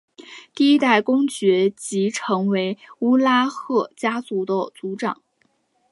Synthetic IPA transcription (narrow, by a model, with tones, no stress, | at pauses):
t̪i˥˩i˥t̪a˥˩ɪkʊ˥ŋt͡ɕɥɛ˧˥t͡ɕi˧˥ʈ͡ʂʰɤ˧˥ŋwe˧˥ɪu˥la˥xɤ˥˩t͡ɕja˥t͡su˧˥d̪ə˧t͡su˧˥ʈ͡ʂɑ˨˩˦ŋ